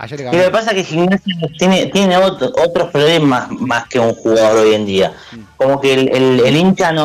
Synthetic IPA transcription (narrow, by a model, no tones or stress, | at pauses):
ilo̞ke̞pas̬akexiɣnasjaet̪jenet̪je̞ne̞otʔot̪ɾohpellemasmaske̞uŋxuɣaðo̞ɾo̞je̞nd̪ia | ko̞mo̞kelelelint͡ʃano